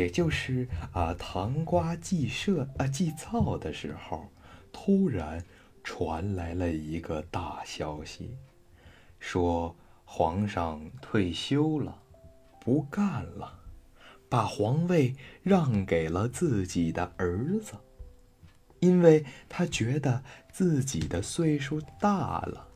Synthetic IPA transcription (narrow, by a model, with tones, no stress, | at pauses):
jɛ˨˩t͡ɕjo˥˧ʊʂɻ̩˥˩ə˧˩t̪ʰɑ˧˥ŋkwa˥t͡ɕi˥˧ʂɤ˥˧t͡ɕi˥˧t͡sɑ˥˩ʊd̪ə˩ʂɻ̩˧˥xo˧˩ʊt̪ʰu˥ɻa˧˥n | ʈ͡ʂʰwa˧˥nla˧˥ɪlə˧i˧˥ɡə˧t̪a˥˩ɕjɑ˥ʊɕḭ˨˩ | ʂwɔ˥ | xwɑ˧˥ŋʂɑ˥˧ŋt̪ʰwe˥˩ɪɕjo˥ʊlə˩ | pu˧˥ka˥˩nlə˩ | pa˨˩xwɑ˧˥ŋwe˥˧ɪɻɑ˥˩ŋke˨˩ɪlə˦t͡sɹ̩˥˩t͡ɕi˨˩d̪ə˦ə˞˧˥d͡z̩˧˩ | i˥nwe˥˩ɪt̪ʰa˥t͡ɕɥɛ˧˥d̪ə˧t͡sɹ̩˥˩t͡ɕi˨˩d̪ə˦swe˥˧ɪʂu˥t̪a˥˩lə̰˩